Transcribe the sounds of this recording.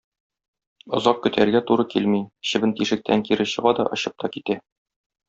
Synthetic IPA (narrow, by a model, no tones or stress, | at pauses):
ŏzɑq̚kɵ̆t̪æɾɡæt̪uɾɤkilmiɕɘ̆bɘ̆nt̪iʃɘ̆k̚t̪ʰæŋkiɾɘɕɤ̆ʁɑd̪ɒʔɤ̆ɕɤp̚t̪ɒkit̪æ